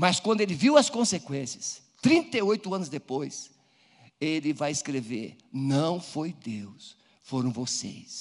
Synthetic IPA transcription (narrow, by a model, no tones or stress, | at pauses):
mɐskwɐ̃nd̪ʊelɪviwɐskõsekwẽsiɐs | t̪ɾĩnt̪ɐojt̪ʊɐ̃nʊzd̪epojs | elɪvajɪskɾevḛɾ | nɐ̃w̃fojd̪ews | foɾɐ̃w̃vosḛjs